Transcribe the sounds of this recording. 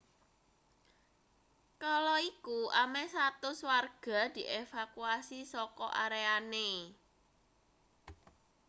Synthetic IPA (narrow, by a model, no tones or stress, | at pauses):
kalɔikuʔamɛsat̪ʊswarɡ̥a̤d̪̥i̤ʔefakuasisɔkɔʔaɾeane